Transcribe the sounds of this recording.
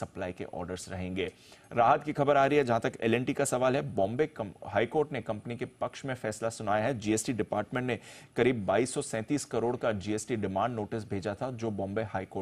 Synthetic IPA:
sɐplaːikḛʔɔ̰ːɾɖəɾsɾɐɦẽːŋɡeː | ɾaːɦət̪kixɐbəɾaːɾɐɦiɦɛd͡ʒɐɦãt̪ɐkɛ̰ːlɛ̃ɳʈikasɐʋaːlɦɛbɔ̃ːmbeɦaːikoːɾʈnekɐ̃mpənikepɐkʃmẽfɛːslasʊnaːjaɦɛd͡ʒiːeːsʈiɖɪpaːɾʈmẽɳʈnekɐɾiːbːaːiːsːɔsɛ̃ːt̪iːskɐɾoːɽkad͡ʒiːesʈiɖɪmãːɳɖnoːʈɪs̬bʱeːd͡ʒat̪ʰad͡ʒoːbɔ̃ːmbehaːikoː

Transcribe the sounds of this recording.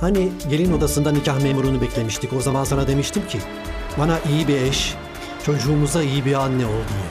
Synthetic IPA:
haniɟe̞lʲino̞d̪asɯnd̪anicʰahmeːmuɾunubɛclʲe̞miʃt̪ʰico̞zamansanad̪e̞miʃt̪ʰimcʰi | banaʔijibiɛʃ | t͡ʃʰo̞d͡ʒuːmuzd̪aijibianːɛo̞lˠd̪uj̪

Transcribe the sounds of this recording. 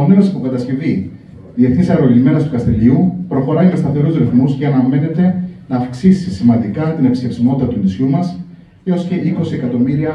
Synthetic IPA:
oneɾosi̥pokɐt̪ɐsce̞vi | ðie̞θnisɐɾolizme̞nɐst̪ukɐst̪e̞ʎiupɾo̞xo̞ɾɐʝɐst̪ɐθe̞ɾuzɾefmusceɐnɐme̞ne̞t̪e̞nɐːfksisisimɐnd̪ikɐt̪ine̞pi̥sçe̞psimo̞t̪it̪ɐt̪unisçumɐs | eo̞sce̞ʔiko̞sie̞kɐt̪o̞miɾiɐ

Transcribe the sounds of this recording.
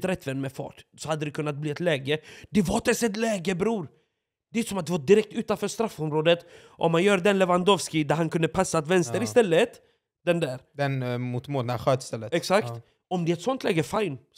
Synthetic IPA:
t̪ɾɛt̪ːvɛnːmɛfɑ̰ːʈsɔhad̪ːəd̪ɛkʰɵnːat̪̚bliːɛt̪lɛːɡəd̪ɛvaɾt̪ɛsɛt̪lɛːɡəbɾuːɾ | d̪ɛʉsɔmat̪d̪ɛvaɖ̪ɪɾɛk̚t̪ʉ̟ːt̪anfœːʂt̪ɾafːɔmɾoːd̪ət̪ | ʔɔ̰mːanjœːɾd̪ɛnlɛvand̪ɔvskɪd̪æɾhankʰɵnd̪əpʰasːat̪vɛnst̪əɾɪst̪ɛlːət̪ | d̪̥ɛnd̪æːɾd̪ɛnmut̪moːd̪nɧøːt̪st̪ɛlːəɛksakt̪ | ɔmd̪ɛɛt̪sɔnt̪lɛːɡəfaɪn

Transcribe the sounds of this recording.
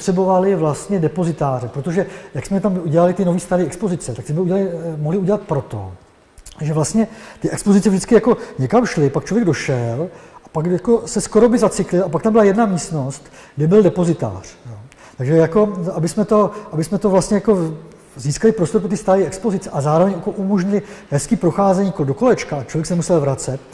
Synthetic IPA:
rɛbo̞valɪvlast̪ɲɛdɛpo̞zɪt̪aːrɛpɾot̪oʒɛjaksmɛt̪amʔuɟɛlalɪt̪ɪnoviːst̪aɾiːɛkspo̞zɪt͡sɛt̪akssmɛuɟɛalɪmoɦlɪuɟɛlat̪̚pɾo̞t̪o̰ | ʒɛvlast̪ɲɛt̪ɪʔɛkspozɪt͡sɛvʒdɪt͡sskɪjako̞ɲɛkamʃlɪpak̚t͡ʃlovjɛɡdo̞ʃɛlʔapakjako̞sɛskoɾobɪzat͡sɪklɪlapak̚t̪ambɪlajɛdnamiːst̪no̞st̪ | ɡdɛbɪldɛpo̞zɪt̪a̰ːr̝̥joː | t̪aɡʒɛjako̞abɪsmɛt̪o̞ʔabɪsmɛt̪o̞vlast̪ɲɛjako̞ | ziːskalɪpɾost̪oɾpɾot̪ist̪aɾɛjɛkspo̞zɪt͡sɛʔazaːɾovɛɲakoʔumoʒɲɪlɪhɛskiːpɾoxaːzɛɲiːkodo̞ko̞lɛt͡ʃkaat͡ʃlovjɛksɛnmusɛlvɾat͡sɛt̪

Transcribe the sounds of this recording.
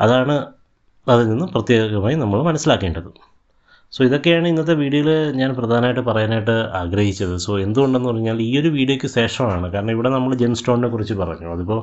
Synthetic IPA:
ɐ̰ðaːɳɨ | ɐðɨninːɨprɐt̪jeːɡɐmaːjinɐmːɐɭmɐnɐsːilaːkːeːɳɖɐðɨ | soːiðo̞kːe̞jaːɳɨinːɐt̪ːe̞ʋiːɽjɐjilɲaːnprɐd̪ʱaːnɐmajʈːɨpɐrɐjanaːjiʈ̬ːɨaːɡɾɐhit͡ɕːɐðɨso̞ːe̞nd̪uɣo̞ɳɖe̞nːupɐrɐɲːaːliːo̞ɾuʋiːɽijokʲːɨɕe̞ːʂɐmaːɳɨkaːɾɐɳɐmiʋiɽe̞nɐmːɐɭd͡ʑejmsʈo̞ːɳnekːurit͡ɕːɨpɐrɐ̰ɲːuɐðipːo̞ː

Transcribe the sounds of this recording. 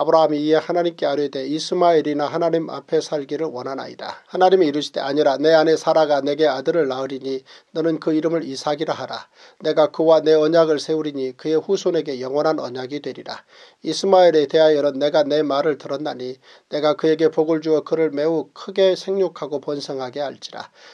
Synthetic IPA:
abɯɾaɦamiːe̞hanaɲimk͈e̞aɾjede̞isʰɯmaiɾinaɦanaɲima̰pʰe̞sʰaɭɡiɾɯɭwʌnɦana̰ḭda̰hanaɲimiːɾuɕʰi̥d̥e̞̰aɲiɾane̞ane̞sʰaɾaɡane̞ɡe̞adɯɾɯɭːaɯɾiɲinʌnɯnkɯiɾɯmɯɾisʰaɡiɾaɦaɾa̰ | ne̞ɡakɯwane̞ʌɲaɡɯɭsʰe̞uɾiɲikɯe̞ɸusʰone̞ɡe̞jʌŋwʌnɦanʌ̰ɲaɡidwe̞ɾiɾa̰ | isʰɯmaiɾe̞te̞ɦajʌɾʌnːe̞ɡane̞maɾɯɭtɯɾʌnːaɲi | ne̞ɡakɯe̞ɡe̞poɡɯɭd͡ʑuʌkɯɾɯɭme̞ukʰɯɡe̞sʰe̞ŋɲokʰaɡopʌnsʰʌŋɦaɡe̞aɭt͡ɕ͈iɾa̰

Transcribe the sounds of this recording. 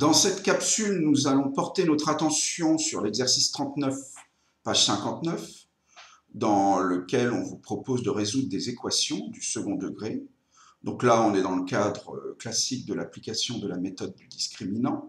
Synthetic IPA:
d̪̥ɑ̃sɛt̪kʲapsylnuzalɔ̃pɔʁt̪enɔt̪χat̪ɑ̃sjɔ̃syʁlɛɡzɛʁsist̪χɑ̃t̪nœf | paʒ̥sɛ̃kɑ̃t̪nœf | d̪ɑ̃ləkʲɛlɔ̃vupχɔpozd̪əʁezud̪ʁəd̪ezekwasjɔ̃d̪ysəɡɔ̃d̪əɡʁe | d̪ɔ̃klaɔ̃nɛd̪ɑ̃ləkad̪ʁə̰klasik̚d̪əlaplikasjɔ̃d̪əlamet̪ɔd̪ːyd̪iskχiminɑ̃

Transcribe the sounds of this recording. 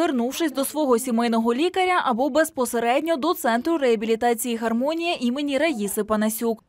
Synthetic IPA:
ernuwʃɪsʲd̪ɔsʋɔɦɔsʲimɪjnɔɦɔlʲikɐɾʲɐʔɐbɔbespɔseɾɛdʲnʲɔd̪ɔt̪sɛnt̪ɾʊɾɛɐbʲilʲit̪ɑt͡sʲijixɐrmɔnʲijiʔimenʲiɾɐjʲisɪpɐnɐsʲuk

